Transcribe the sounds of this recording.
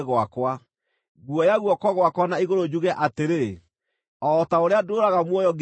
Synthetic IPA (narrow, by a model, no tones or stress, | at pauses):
ɣoakwa | ɣuɔjaɣwɔkɔɣwakwanaiɣoɾod͡ʑuɣɛʔateɾe | ɔtaoɾeadoɾaɣamwɔjɔɡ